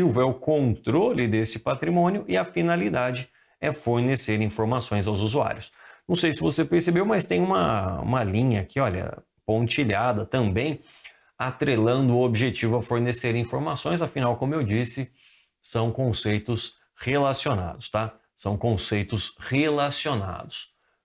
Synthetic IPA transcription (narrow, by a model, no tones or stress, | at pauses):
ivʊɛʊkõnt̪ɾolɪd̪esɪpat̪ɾimõnʲjʊʔɪɐfinalid̪ad͡ʒɪ | ɛfoɾneseɾĩfoɾmasõj̃zawzuzua̰ɾjʊsnɐ̃w̃sejsɪvosepeɾsebewmɐst̪ẽj̃ũmɐṵ̃mɐlĩɲɐkɪɔʎɐ̰ | põt͡ʃiʎad̪ɐt̪ɐ̃mbẽj̃ | at̪ɾelɐ̃nd̪ʊʊobiʒet͡ʃivʊɐfoɾneseɾĩfoɾmasõj̃zɐfinawkõmʊewd͡ʒisɪ | sɐ̃w̃kõsejt̪ʊs | helasiona̰d̪ʊst̪a | sɐ̃w̃kõsejt̪ʊshelasiona̰d̪ʊs